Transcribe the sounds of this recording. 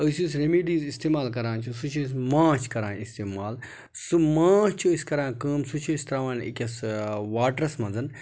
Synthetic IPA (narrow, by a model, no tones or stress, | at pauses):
əsus̬ɾemiːɖiːzist̪eːmaːlkɐɾãːnt͡ʃʰusut͡ʃʰuːs̬mãːt͡ʃʰkɐɾãːnist̪eːmaːl | sumãːt͡ʃʰuskɐɾãːkəːmsut͡ʃʰuːsʲt̪ɐɾaːʋaːnḭkʲɐsʋaːʈɾɐsmɐ̃nzɐn